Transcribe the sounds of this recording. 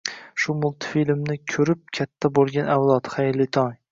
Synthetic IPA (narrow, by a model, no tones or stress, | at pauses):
ʃʊmʊlˠt̪filmnɪkʲʰɵɾɪp̚kʲʰat̪ʰːabolˠɡʲanʔawlˠɒt̪χajɾlɪt̪ʰɒŋ